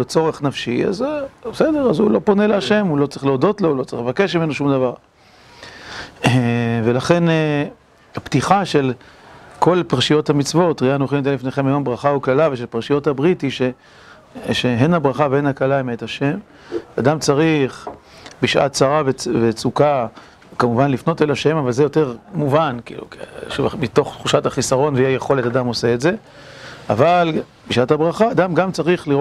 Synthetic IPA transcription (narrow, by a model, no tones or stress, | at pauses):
let͡so̞ʁeχnafʃia̰zbsede̞ʁazulo̞po̞ne̞leaʃe̞mulo̞t͡saʁiχleodo̞t̪lo̞ulo̞t͡sʁḭχlevake̞ʃmimenoʃumd̪avaʁ | evelaχe̞ne | hapt̪iχaʃe̞lko̞lpaʁʃijo̞t̪hamit͡svo̞t̪ʁianuχimt̪elifneχemajo̞mbʁaχauklalaveʃepaʁʃijo̞thabʁithiʃe | ʃeɦenhabʁaχaveenakalaimeethaʃe̞m | adamt͡saʁiχ | biʃʔa̰tt͡saʁavevet͡suka | kamuvanlifno̞telaʃe̞mavalzejo̞te̞ʁmuvankḭlṵkʃmito̞χtχuʃathaχisaʁo̞nveiajeχo̞le̞tadamo̞se̞etze̞ | aval | biʃathabʁaχaːdamɡamt͡saʁiχliʁ